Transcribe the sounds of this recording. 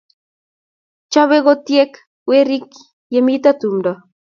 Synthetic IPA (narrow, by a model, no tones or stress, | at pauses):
t͡ʃaβeɣot̪iek | weɾik | jemit̪at̪umɾa